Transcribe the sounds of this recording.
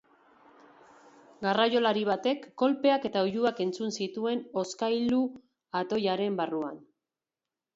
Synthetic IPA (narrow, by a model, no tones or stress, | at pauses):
ɡarajo̞laɾiβ̞at̪e̞kːo̞lpe̞ake̞t̪aojuake̞nt͡sunsit̪ue̞no̞skajlu | at̪o̞jaɾe̞mbarua̰n